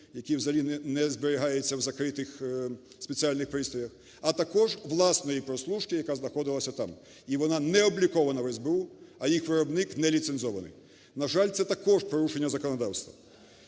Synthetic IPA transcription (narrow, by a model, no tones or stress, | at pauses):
jɐkʲiwzɐlʲinɛnɛzbeɾɪɦɑjet͡sʲːɐwzɐkɾɪt̪ɪx | spʲe̞t͡sʲiɑlʲnɪxpɾɪst̪ɔjɐx | ɐt̪ɐkɔʒʋlˠɑsnɔjipɾɔslˠuʃkɪjɐkaznɐxɔd̪ɪlˠɐsʲɐt̪ɑm | iʋɔnɑnɛɔblʲikɔʋɐnɐʋɛzbeuɐjixʋɪɾɔbnɪknɛlʲit̪senzɔʋɐnɪ̰j | nɐʒɑlʲt̪sɛt̪ɐkɔʒpɾɔɾuʃenʲːɐzɐkɔnɔd̪ɑwst̪ʋɐ